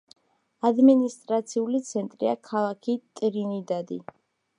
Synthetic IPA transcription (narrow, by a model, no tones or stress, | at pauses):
ad̪minist̪ʼɾat̪sʰiulit̪sʰɛnt̪ʼɾiakʰalˠakʰit̪ʼɾinid̪ad̪ḭ